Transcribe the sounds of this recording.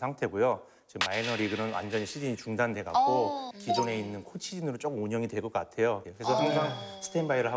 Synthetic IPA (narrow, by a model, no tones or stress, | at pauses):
sʰaŋtʰe̞ɡojo | t͡ɕemainʌɾiɡɯnɯnwa̰nd͡ʑʌɲiɕʰiɾiɲit͡ɕuŋdande̞ɡa̰k̚k͈okid͡ʑone̞inːɯnkʰot͡ɕʰid͡ʑinɯɾot͡ɕ͈ok͈ɯmoɲʌŋidwe̞ɭkʌk͈atʰe̞jokkɾesʰʌɦaŋsʰaŋsʰɯ̥tʰeinbajɾɯɭɦa